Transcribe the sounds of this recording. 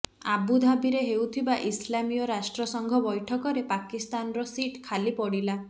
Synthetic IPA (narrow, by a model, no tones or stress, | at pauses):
abud̪ʱabiɾeɦewt̪ʰibaʔislamijɔɾasʈɾɔsɔŋɡʱɔbɔjʈʰɔkɔɾepakist̪anɔɾɔsiʈkʰalipɔɽila